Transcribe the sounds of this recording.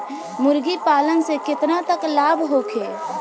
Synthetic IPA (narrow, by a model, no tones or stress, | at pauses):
mʊɾɡipaːlənsekɪt̪nat̪əklaːbʱɦoːkʰeː